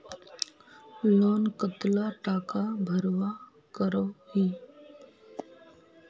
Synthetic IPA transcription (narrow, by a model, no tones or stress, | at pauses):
loːnkət̪laʈaːkabʱəɾʋa | kəɾohiː